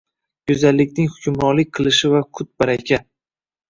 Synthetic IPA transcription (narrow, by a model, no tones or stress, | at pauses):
jʊzalːɪkʲnɪŋhʊkʲʰʊmɾɒnlɪk̚ʲqʰɨlˠɪʃɪvakʰʊt̪̚baɾakʲʰa